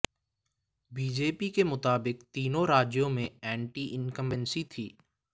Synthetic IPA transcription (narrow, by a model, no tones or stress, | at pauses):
biːd͡ʒeːpikemʊt̪aːbɪkt̪iːnõɾaːd͡ʒjõmẽɛ̃ːɳʈiʔɪnkə̃mʋɛnsit̪ʰiː